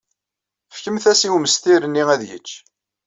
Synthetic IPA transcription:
fkəmθæsiwməst̪iɾənːiæðjə̰t͡ʃː

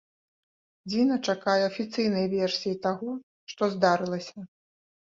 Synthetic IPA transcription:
d͡zʲinɐt͡ʂakajɛɐfʲit̪sɨjnɐjvʲɛrsʲijit̪aɣɔ | ʂt̪ɔzd̪aɾɨlˠɐsʲɐ

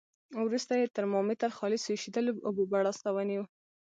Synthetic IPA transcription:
wɾust̪ajet̪əɾmɑmɪt̪aɾxɑlɪseʃid̪əlʊbubaɽɑst̪awəniwu

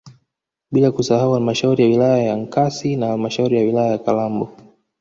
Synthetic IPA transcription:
ɓilakusahauhalmaʃauɾijawilajajaŋ̩kasinahalmaʃauɾijawilajajakalambɔ

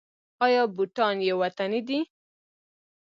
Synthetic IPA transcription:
ɑjɑbuʈɑnjewat̪anid̪i

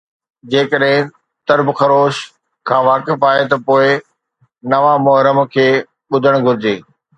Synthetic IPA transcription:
d͡ʑeːkəɗɦɪ̃ | t̪ɐɾbxɐɾoːʃ | kʰãːʋaːkɪfaːɦet̪ɐpoːɪ | nɐʋamʊɦɾəmkʰeː | ɓʊd̪ʱəɽ̃ɡʱʊɾɪd͡ʑeː

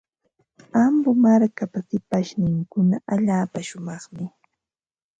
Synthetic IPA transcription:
ambʊmaɾkapasɪpaʃnɪŋkʊnaʔaʎaːpaʃʊmɑχmɪ

